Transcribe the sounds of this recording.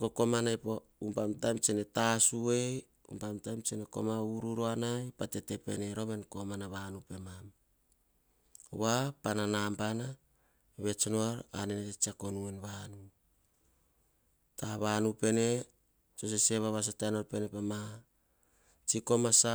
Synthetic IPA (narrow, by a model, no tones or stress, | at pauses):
koko̞manajpo | umpamtajmt͡ʃene̞tasue̞ | ṵmpamtajmt͡ʃeneko̞̰mauɾuɾoanajpate̞te̞pe̞̰ne̞ɾo̞me̞nko̞manaβanupe̞mam | βapananampana | βe̞t͡ʃonoaɾa̰nenetet͡ʃiako̞nuenβanu | taβanupe̞ne̞ | t͡ʃos̬ese̞βaβas̬atanoɾpe̞nepama | t͡ʃiko̞masa